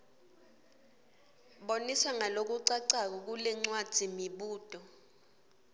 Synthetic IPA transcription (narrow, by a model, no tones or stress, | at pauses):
ɓoniswaŋalok̬uǀaǀak̬ɔk̬ulɛŋ͡ǀwad̥ʱimiɓuːd̥ʱʼɔ